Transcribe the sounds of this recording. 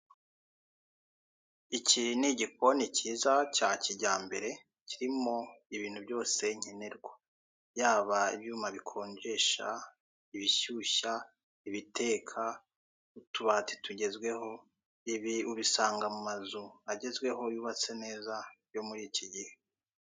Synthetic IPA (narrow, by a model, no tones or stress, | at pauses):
iciniɟik̚o̞niciːzacaciɟaːmbe̞ɾe̞ | ciɾimo̞iβiːn̥hubjo̞ːse̞ɲ̥ene̞ɾɡwa | jaːβaḭβjuːmaβikʰo̞ːɲɟe̞ʃa̰ | iβiʃuʃa | iβite̞ːkʰa | utuβat͡si̥tuɟe̞zɡwe̞ho̞ | iβiuβisaːŋɡamumazuaɟe̞zɡwe̞ɦo̞juːβat͡sene̞ːzaβ̥jo̞muɾiciɟihe̞